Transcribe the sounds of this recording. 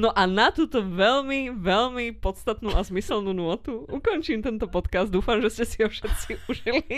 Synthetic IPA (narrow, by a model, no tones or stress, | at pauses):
nɔʔanat̪uːt̪ɔʋɛlmiʋɛlmipɔt̪st̪at̪nuːʔazmisɛlnuːnʊɔt̪uukɔnt͡ʃiːmt̪ɛnt̪ɔpɔt̪kazd̪d̪uːfamʒɛscɛsiɦɔfʃɛt̪̚t͡siuʒili